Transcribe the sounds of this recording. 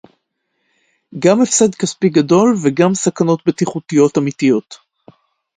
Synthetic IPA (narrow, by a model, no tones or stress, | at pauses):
ɡamefsed̪kaspiɡado̞lveɡamsakano̞t̪bet̪iχut̪ijo̞tamit̪ijo̞t